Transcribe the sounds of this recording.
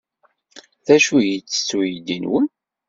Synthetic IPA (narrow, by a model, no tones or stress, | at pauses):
θæʃujət͡sːə̥sːujəd̪inwən